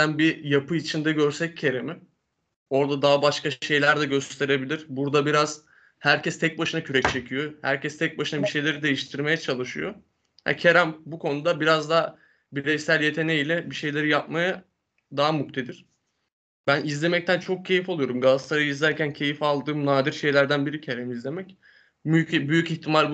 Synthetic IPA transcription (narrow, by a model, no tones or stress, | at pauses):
ænbijapɯit͡ʃʰind̪ɛɟø̞ɾsɛc̚ːʰe̞ɾemɪ | o̞ɾd̪ad̪aːbaʃkaʃe̞jlʲæɾd̪ɛɟø̞st̪ʰe̞ɾe̞bilʲiɾ̥buɾd̪abiɾaz̥ | hæɾcɛst̪ʰɛc̚baʃɯnacʰyɾɛc̚t͡ʃʰe̞cʰyjo̞hæ̰ɾcʰɛst̪ʰɛc̚baʃɯnabiʃe̞jlʲe̞ɾid̪e̞jiʃt̪ʰiɾme̞jɛt͡ʃʰalˠɯʃɯ̰jo̰ | ha̰cʰe̞ɾæmbukʰo̞nud̪abiɾazd̪a | biɾɛjsælʲje̞t̪ʰe̞nejilʲɛbiʃe̞jlʲe̞ɾijap̚maja | d̪aɦamukt̪ʰed̪iɾ̥ | bænizlʲe̞mɛc̚t̪ʰænt͡ʃʰo̞k̚cʰe̞jifo̞lˠujo̞ɾumɡast̪aɾajɯizlʲæɾcʰæncʰe̞jifalˠd̪ɯːmnaːd̪iɾʃe̞jlʲæɾd̪ænbiɾicʰeɾɛmizlʲe̞mɛc | byjyciçt̪ʰimaɾʲb